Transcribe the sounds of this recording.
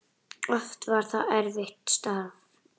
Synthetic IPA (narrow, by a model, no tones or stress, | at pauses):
ɔft̪vaɾ̥θaɛɾvɪht̪st̪aːv